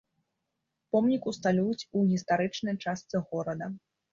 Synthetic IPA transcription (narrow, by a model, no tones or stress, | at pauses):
pɔmnʲikust̪alʲujut͡sʲuɣʲist̪aɾɨt͡ʂnɐjt͡ʂast̪sɨɣɔɾɐd̪ɐ